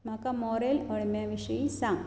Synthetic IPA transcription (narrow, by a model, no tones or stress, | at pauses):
mɐkɐmoːɾeːlɐɻimjɐʋiʂɐjisaŋ